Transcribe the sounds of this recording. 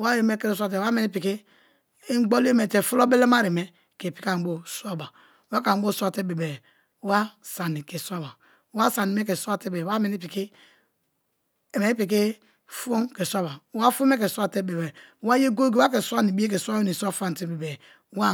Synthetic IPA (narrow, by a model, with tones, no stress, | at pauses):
wa˦ɾe˨me˦ke˦ɾe˦s̬ʷa˦t̬e˨˦a˦me˨ni˦pi˨ki˦ | ɡ͡bo˦li˦e˦me˨te˨fu˦lo˦be˦le˦ma˦ɾi˨me˦ | ke˨pi˦ka˦˨bo˦sa˦ba˨˦ | wa˦ka˨˦bo˦sʷa˦te˦be˨bɛ˨˦ | wa˦sa˨ni˨ke˨su˦a˦ba˨˦ | wa˦sa˨ni˨me˦ke˨sa˦te˦ba˦me˨ni˦pi˨ki˦ | e˨me˨ni˦pi˨k̬i˦ | fu˦mke˨sʷa˦ba˨˦wa˦fu˦me˦ke˨su˦a˦te˦be˨bɛ˨˦wa˦je˦ɡo˦ɡe˦a˦ke˨su˦a˦ni˨bi˦e˦k̬e˨sʷa˦ni˨sa˦fa˦˨n˨te˦be˨bɛ˨˦ | wa˦